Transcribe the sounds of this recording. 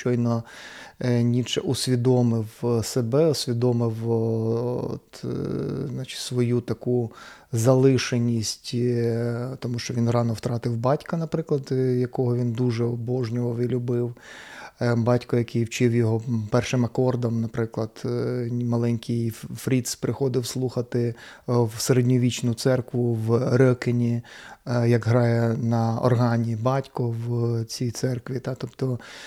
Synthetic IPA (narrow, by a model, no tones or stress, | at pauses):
t͡ʃɔjnɔ | nʲit͡ʃɛ̰ʔʊsʲʋʲid̪ɔmɪwsebɛɔsʲʋʲid̪ɔmɪw | ɔ̰t̪ | znɑt͡ʃɪ̥tʲsʋɔjut̪ɐku | zɐlˠɪʃenʲisʲtʲ | t̪ɔmuʃt͡ʃɔʋʲinrɑnɔwt̪ɾɑt̪ɪwbɑtʲkɐnɐpɾɪklˠɐd̪jɐkɔɦɔʋʲind̪uʒɛɔbɔʒnʲɔʋɔʋɪlʲʊbɪw | bɑtʲkɔjɐkɪjwt͡ʃɪwjɔɦɔpɛrʃɪmɐkɔrd̪ɐmnɐpɾɪklˠɐd̪̥mɐlˠɛnʲkʰɪjfɾʲid̪spɾɪxɔd̪ɪwslˠuxɐt̪ɪwseɾedʲnʲɔʋʲit͡ʃnʊt̪sɛrkʋʊwɾɔkɪnʲi | jɐɡɦɾɑjɛnɐɔ̰rɦɑnʲibɑtʲkɔwt͡sʲijt̪sɛrkʋʲit̪ɑt̪ɔpt̪ɔ